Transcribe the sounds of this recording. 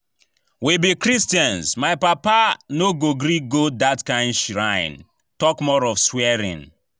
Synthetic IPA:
wibikɾistjãnzmaɪpapanoɡoɡɾiɡodatkãɪ̃ndʃiɾãɪ̃n | tɔkmɔɾɔfswɛɾḭ̃n

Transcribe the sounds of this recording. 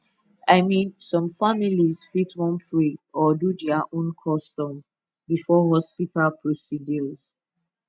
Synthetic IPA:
aɪmĩnsɔ̃mfamilizfitwɔ̃npʰɹiɔdudɛaʔõnkʰɔstɔ̃m | bifɔɦɔspitʰalpʰɹosidɔz̥

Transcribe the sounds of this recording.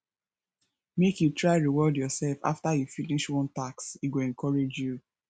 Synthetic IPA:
mekjutʰɹaɪɹiwɔdjɔsɛlfa̰ftajufiniʃwɔ̃ntaksiɡoɛ̃ŋkʰɔɹed͡ʒju

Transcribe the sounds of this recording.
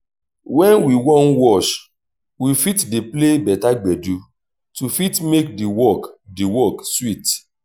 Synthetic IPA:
wɛ̃nwiwɔ̃nwɔʃ | wifitdeplebɛtaɡ͡bɛdu | tufitmek̚diwɔkdiwɔkswit

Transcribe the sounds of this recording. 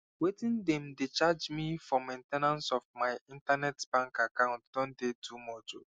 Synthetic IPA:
wetĩndɛ̃mdet͡ʃad͡ʒmifɔmẽntɛnãnsɔfmaɪĩntanɛtbãŋkakãʊ̃ntd̥ɔ̃ndetumɔto

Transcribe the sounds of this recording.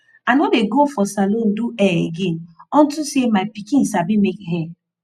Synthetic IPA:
anwɔdeɡofɔsalõn̩duɛḛɡenɔn̩tusemaɪpikĩn̩sabimekɦɛ̃

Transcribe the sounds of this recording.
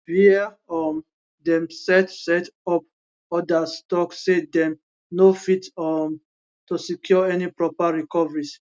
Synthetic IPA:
hi | ɔm | dɛ̃msɛtsɛtɔp̚ | ɔdastɔksːedɛm | nofitɔm | tusikʰjɔɛnipɹɔpaɹikɔvəɹis

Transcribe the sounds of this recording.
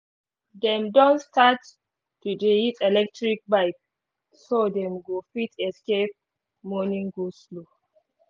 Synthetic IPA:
dɛ̃mdɔ̃nstʰat | tːudeitɛlɛk̚tɹik̚baɪk | sodɛ̃mɡofitʰɛskep̚ | mɔnĩŋɡoslo

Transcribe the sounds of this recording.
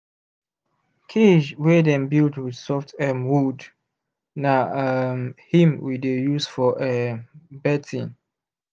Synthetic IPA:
kʰid͡ʒwedɛ̃nbildwid̥sɔftʰɛmwud | namhĩmwidejusfɔʔɛbɛtʰĩn

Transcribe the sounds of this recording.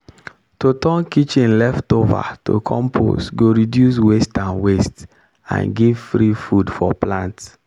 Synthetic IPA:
totɔ̃nkit͡ʃĩnlɛftova̰tʰo̰kʰɔ̰̃mpʰo̰sɡoɾidjus̬westãnwest | ã̰nɡivfɾifudfɔplãnts

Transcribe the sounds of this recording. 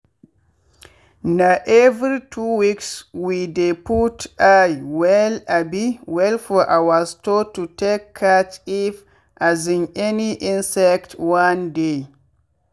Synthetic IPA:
naʔɛvɾitʰuwikswideputʔajwɛlabiwɛlfɔʔawastotutekʰːat͡ʃif | ʔazĩnɛniʔĩnsɛktwande

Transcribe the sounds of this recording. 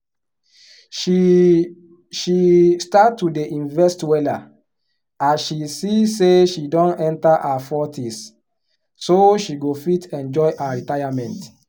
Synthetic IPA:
ʃistatːudeʔĩnvɛstwɛla | ãʃisiseʃidɔ̃nɛ̃ntaʔafɔtʰis | soʃiɡofitʰɛ̃nd͡ʒɔjʔaaɹitajamɛ̃nt

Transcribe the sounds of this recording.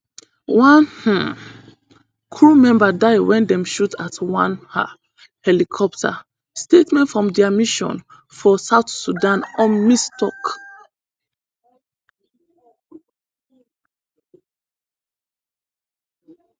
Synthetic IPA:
wãnh̩ | kʰɹumɛ̃mbadaɪwɛ̃ndɛ̃mʃutʰatwãnha̰ | hɛlikʰɔp̚tʰa̰ | stetmɛ̃ntfɹɔ̃mdɛamiʃɔ̰̃n | fɔsaʊtsudãnɔ̃nmistɔk

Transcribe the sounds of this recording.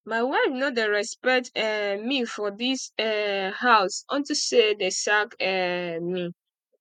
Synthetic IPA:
maɪwanɔdeɹɛspɛk̚tɛmifɔdisɛhaʊsɔ̰̃ntusedesakɛmi

